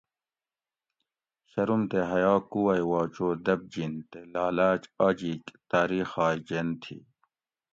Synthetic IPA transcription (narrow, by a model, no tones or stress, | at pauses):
ɕɐɾumt̪eɦɐjaːkuwɐjwaːt͡ʃoːd̪ɐb̚d͡ʑint̪elaːlaːt͡ʃaːd͡ʑiːkt̪aːɾiːxaːjd͡ʑent̪ʰḭː